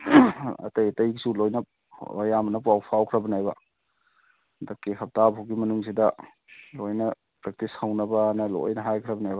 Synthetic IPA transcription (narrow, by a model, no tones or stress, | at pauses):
ɐ̰tɐjtɐjɡsulojnɐ | o̰jamɐnɐpwawpʰawkʰɾɐbɐnajbɐ | dɐkekʰɐp̚tabɦawɡimɐnuŋs̬idɐ | lojnɐ | pɾak̚tishɐwnɐbɐnɐlo̰jnɐɦajkʰɾɐbɐnajbɐ